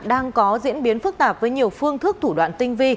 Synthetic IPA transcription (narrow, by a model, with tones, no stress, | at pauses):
ɗaː˧ŋkɔ˨˦zḭ˧˥ənɓi˨˦ənfɨ˦˥k̚t̪aː˨˩p̚vəː˨˦jɲi˨˩əwfɨ˧əŋt̪ʰɨ˦˥k̚t̪ʰu˧˩ɗwa̰ː˧˨nt̪ï˧ŋ̟vi˧